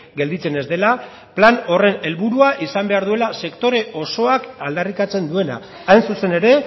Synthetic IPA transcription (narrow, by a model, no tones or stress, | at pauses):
ɡe̞ld̪it͡sene̞zd̪e̞la | plano̞re̞ne̞lβuɾuaʔisambe̞aɾðue̞lase̞kt̪o̞ɾe̞ʔo̞so̞akald̪arikat͡se̞nd̪ue̞na̰ː | jnsuse̞ne̞ɾe̞